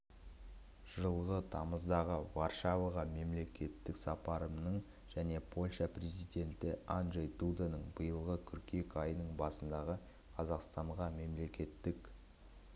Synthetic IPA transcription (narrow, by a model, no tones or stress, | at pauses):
ʒ̥əlˠʁət̪ʰɑməzd̪ɑʁəvarʃɑvaʁɑme̞mle̞kʲe̞t̪ːɪksɑpɑɾəmnəɴ | ʒ̥æne̞pʰo̞lʲʃɑprʲezijd̪ʲe̞nt̪ɪanʒejt̪ud̪anəɴbəjəlˠʁəkʲʰʏɾkʲe̞kɑjənəɴbɑsənd̪ɑʁə | qʰɑzɑqst̪ɑɴʁɑme̞mle̞kʲe̞t̪ːɪk